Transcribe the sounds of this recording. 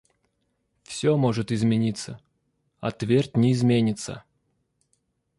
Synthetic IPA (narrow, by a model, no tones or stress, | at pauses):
fsʲomoʐɨt̪ɪzmʲɪnʲit̪sə | ɐ̰t̪vʲerʲtʲnʲɪːzmʲenʲɪt̪sə̰